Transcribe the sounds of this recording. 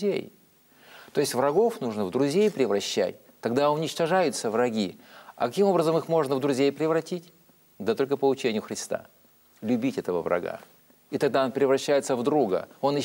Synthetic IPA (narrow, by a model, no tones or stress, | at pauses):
ḛj | t̪o̞jɪsʲtʲvɾɐɡo̞fnuʐnəvd̪ɾʊzʲejpɾʲɪvɾɐɕːæ̰tʲ | t̪ɐɡd̪aʊnʲɪt͡ɕt̪ɐʐajʊt̪səvrɐɡʲiɐ̰kɐkʲimo̞bɾəzəmɨxmo̞ʐnəvd̪ɾʊzʲejpɾʲɪvɾɐtʲitʲ | d̪ət̪o̞lʲkəpəʊt͡ɕenʲɪjʊxɾʲɪst̪a̰ | lʲʊbʲitʲɛt̪əvə̰vɾɐ̰ɡa̰ | it̪ɐɡ̚d̪aonpʲɾʲɪvɾɐɕːæjɪt̪səvd̪ɾuɡə̰o̞nɪ